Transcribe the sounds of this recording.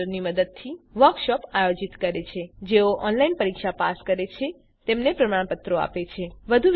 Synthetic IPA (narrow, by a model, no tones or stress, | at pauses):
əɾniməd̪əd̪̚t̪ʰiʋəɾkʃɔpajod͡ʒit̪kəɾet͡ʃʰed͡ʒeoʔɔnlainpəɾikʃapaskəɾet͡ʃʰe | t̪emnepɾəmaɽ̃pət̪ɾoa̰pet͡ʃʰeʋəd̪ʱuʋ